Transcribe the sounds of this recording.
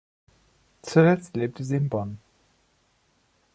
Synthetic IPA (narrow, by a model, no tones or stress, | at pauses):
t͡sulɛt͡stleːp̚tʰəziːɪnbɔn